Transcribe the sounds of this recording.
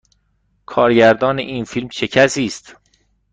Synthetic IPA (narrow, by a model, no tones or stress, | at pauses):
kʰɒːɾɟæɾd̪ɒːnḛʔiːnfilmʃʰe̞cʰæsiːst̪